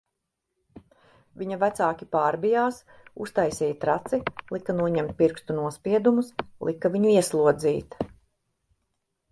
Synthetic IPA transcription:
vʲiɲɐvæt̪saːkʲipaːɾbijaːs | ṵst̪ajsɛːjt̪ɾat̪silˠikanuɔɲɛmt̪̚piɾkst̪unuɔspiɛd̪umuslˠʔikɐviɲuiɛslˠuɔd̪ziːt̪

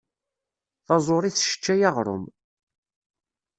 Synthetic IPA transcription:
θɑzˤoɾˤiθʃə̥t͡ʃːæjaʁɾˤo̰m

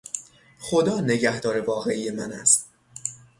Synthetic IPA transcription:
xo̞d̪ɒːne̞ɟæhd̪ɒːɾe̞vɒːɣe̞ʔije̞mænæst̪̚

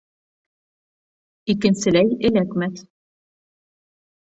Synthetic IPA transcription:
ikɘ̆nsɘ̆læjɘ̆lækmæt̪

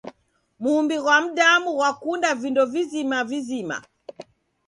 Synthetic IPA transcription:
mumbiɣwam̩ɗamuwakundavindɔvizimavizima̰

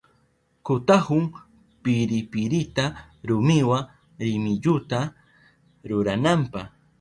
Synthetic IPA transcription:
kʊt̪ahʊŋ | pɪɾɪpɪɾɪt̪a | ɾʊmɪwa | ɾɪmɪʎʊt̪a | ɾʊɾanampɑχ

